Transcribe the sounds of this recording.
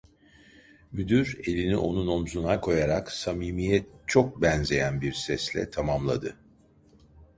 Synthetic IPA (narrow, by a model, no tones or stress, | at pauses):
myd̪yɾe̞lʲinḭʔo̞̰nuno̞mzunakʰo̞jaɾaksamiːmijɛt͡ʃʰo̞k̚bɛnze̞jænbiɾsɛslʲɛ̰t̪ʰamamlˠa̰d̪ɯ